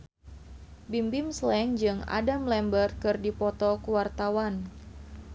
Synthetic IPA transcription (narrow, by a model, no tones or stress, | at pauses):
bimbimslɛŋd͡ʒɨŋa̰damlɛmbərt̪̚kɨrdipɔt̪ɔkuwart̪awan